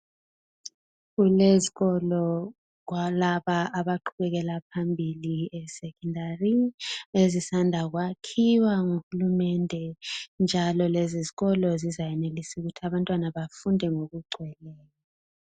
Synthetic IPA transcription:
kuleziɣɔlɔ | k̬walaɓaʔaɓaǃʰuɓɛk̬ɛlap̚ʰambʱiliɛsɛkʰʼɔndariezisandʱak̬wakʰiwaŋuxulumɛndʱɛnd͡ʒʱalɔleziziɣɔlɔzizajɛnelisuɣ̬utʰiaɓantʼwanaɓafundʱɛŋokuɡ͡ǀʱwɛlɛːja

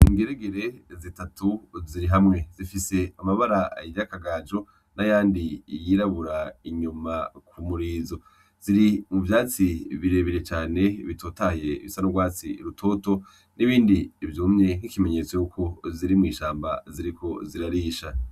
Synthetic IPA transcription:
iŋɡeɾeɡeɾe̞zitatʰuziɾiɦamŋe̞zifise̞amaβaɾaiɟakaɡaːd͡ʒo̞ | najaːndijiːɾaβuɾaiɲumakʰumuɾiːzo̞ | z̥iɾimuvjaːt͡siβiɾe̞ːβiɾe̞t͡ʃaːne̞βitʰoːtahjeβisanoɡwaːt͡siɾutʰo̞to̞ | niβiːndiːvjuːmɲe̞ŋ̥ikime̞ɲe̞t͡so̞jukʰo̞ziɾimŋiːʃaːmba̰ziɾikʰo̞ziɾaɾiːʃa

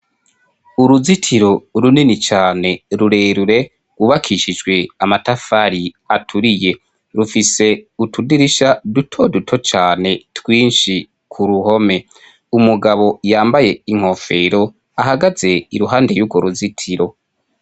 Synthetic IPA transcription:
uɾuzitʰiɾo̞ɾuninit͡ʃaːne̞ɾuɾe̞ːɾuɾe̞ | uβakʰiʃid͡ʒɡwe̞amatafaɾi | atʰuɾije̞ | ɾufise̞utʰudiɾiʃadutʰo̞dutʰo̞t͡ʃaːne̞twiːnʃi | kʰuɾuɦo̞me̞ | umuɡaβo̞jaːmbaje̞iŋ̥o̞fe̞ɾo̞ | ahaɡaze̞iɾuɦaːndejuɡwoɾuzitʰiɾo̞

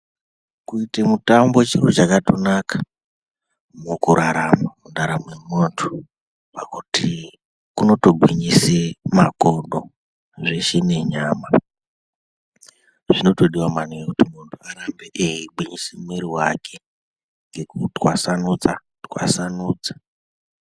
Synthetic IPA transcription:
kuitemutambo̞t͡ʃirut͡ʃakatonakḁ | mukuɾʔaɾamamundaɾamemontʰu̥ | pakuti | kuno̞to̞bʱiɲisemakonɗo | ʐeʃene̞ɲaːma | ʐino̞to̞ɗiwaman̤ujekutimuntʰuaɾambeʔejiɡ͡bwiɲisemeɾiwakʰe̞ | ŋɡe̞kutwasanud͡za | twa̰sanuːd͡zḁ

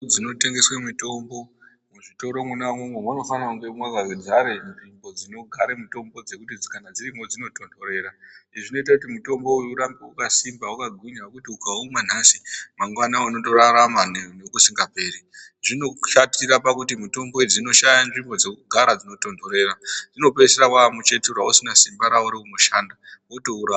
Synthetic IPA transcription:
d͡zino̞te̞ŋɡe̞swemuto̞mbo̞ | muʐito̞ɾo̞munamwemwemuno̞fanauŋɡemwaɡaked͡zʱaɾenʐimbo̞d͡zino̞ɡʱaɾemuto̞mbo̞d͡ze̞kutid͡zkanad͡zirimo̞d͡zino̞to̞ndʱoɾe̞ːraiʐino̞it̬akut̬imuto̞mbo̞ujuɾambeukasimbaukaɡʱwiɲakutiukauman̤asimaŋɡwanaanoto̞ɾaɾamanenokusiŋɡape̞ːriʐino̞ʃatiɾapakutimuto̞mbo̞id͡zino̞ʃajanʐimbo̞d͡zekuɡʱaɾad͡zino̞to̞ndʱo̞ɾe̞ɾaʐino̞peserakwamut͡ʃe̞turausinasimbaɾauɾiunoʃaːndaotouɾa

